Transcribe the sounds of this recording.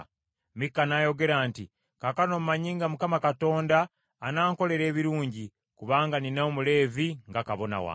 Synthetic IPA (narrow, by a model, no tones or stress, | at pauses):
mikːanaːjo̞ɡe̞ɾaːnti | kakano̞mmaɲiːŋɡamukamakato̞ːndaː | naːŋko̞le̞ɾe̞ːβiɾuːɲɟi | kuβaːŋɡaninaomule̞ːviŋɡakaβo̞na̰wa̰